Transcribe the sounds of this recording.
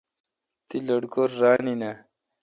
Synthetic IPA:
t̪iloɽɡoɾːaːnina

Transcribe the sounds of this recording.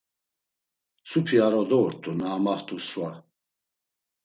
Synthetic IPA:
supʰiaɾɔd̪ɔuɾt̪ʼunaːmaht̪ʼuswa

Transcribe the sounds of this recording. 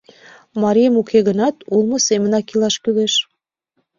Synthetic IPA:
mɑɾʲijəmukʰeɣənɑt̪ulˠmɤ̆semə̆nɑkilɑʃkyleʃ

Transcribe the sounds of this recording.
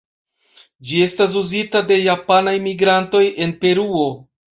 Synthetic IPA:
d͡ʒie̞stas̬uzitade̞japanajmiɡɾanto̞je̞npe̞ɾuo̞

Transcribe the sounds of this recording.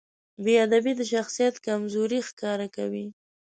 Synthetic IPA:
bead̪abid̪əʃ̬axsijat̪kamzoɾixkɑɾakawi

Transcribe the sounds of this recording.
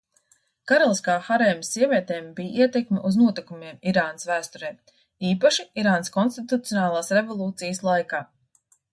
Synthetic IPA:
kaɾalˠiskaːxaɾɛjmsːiɛvʲiɛt̪ɛːmbijiɛt̪ɛkmɪʔuznuɔt̪ikumiɛmiɾaːnəsvæːst̪ɔɾɛj | iːpaʃiiɾaːnskɔnst̪it̪ut̪ijɔnaːlˠaːsɾevolˠuːt̪sijəslˠajkaː

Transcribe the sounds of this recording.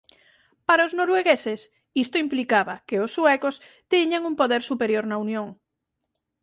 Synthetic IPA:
paɾaoznoɾweɣesɪs | ist̪oimplikaβakeosːuɛkos | t̪iɲaŋumpoðeɾsupeɾjoɾnaunjõŋ

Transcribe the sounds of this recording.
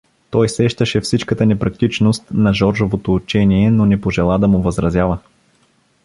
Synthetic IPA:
t̪ɔjsɛʃt̪əʃɛfsit͡ʃkət̪ənɛpɾɐkt̪it͡ʃnost̪nɐʒɔɾʒovot̪oːt͡ʃɛniɛnonɛpoʒɛlˠad̪ɐmʊvɐzɾɐzʲjavə

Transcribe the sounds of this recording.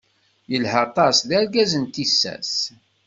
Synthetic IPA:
jəlhət̪ˤɑsðæɾɡæzənt̪isːæ̰s

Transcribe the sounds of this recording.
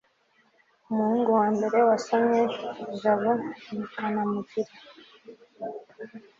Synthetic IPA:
umuhuːŋɡuwaːmbe̞ɾe̞wasamɲeʒaβonanamuɟiɾa

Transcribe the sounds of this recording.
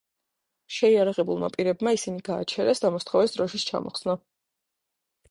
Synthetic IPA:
ʃɛiaɾaʁɛbulˠma̰pʼiɾɛbmaisiniɡa̰ːt͡ʃʰɛɾɛsd̪amɔst̪ʰχɔvɛsd̪ɾɔʃist͡ʃʰa̰mɔ̰χsna

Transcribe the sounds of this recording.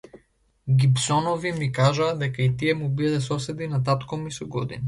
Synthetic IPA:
ɡipsɔnɔvimikaʒaːd̪ɛkait̪iɛmubid̪ɛsɔsɛd̪inat̪̬at̪kɔmisɔɡɔd̪ḭna

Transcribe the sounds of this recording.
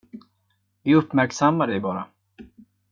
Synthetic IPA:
vɪɵpːmæɾksamːaɖɛjbɑːɾa̰

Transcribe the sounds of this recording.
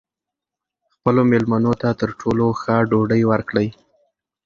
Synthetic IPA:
xpəlomelmanot̪at̪əɾʈʰoloxaɖoɖəjwəɾkɽəj

